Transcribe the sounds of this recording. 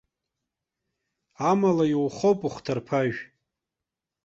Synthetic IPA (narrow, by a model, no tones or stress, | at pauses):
amalajiwχowpʼuχʷtʰarpʰaʒᶣ